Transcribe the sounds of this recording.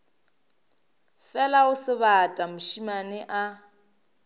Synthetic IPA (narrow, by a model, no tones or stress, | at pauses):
fɛlaʊsɪβatʼamʊʃimanɪʔa